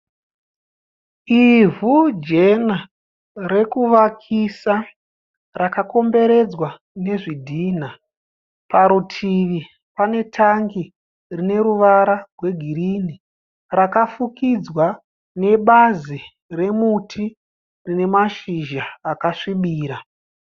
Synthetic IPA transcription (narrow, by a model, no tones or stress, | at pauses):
ivud͡ʒe̞na | ɾe̞kuʋakʰisa | rakako̞mbe̞ɾe̞d͡zwa | ne̞ʐidʱiːna | paɾutʰiʋi | pane̞tʰaŋɡi | rine̞ɾuʋaɾarwe̞ɡʱiɾini | rakafukid͡zwa | ne̞ɓazi | re̞mutʰi | rine̞maʃiʒaːkaʂiɓiːɾa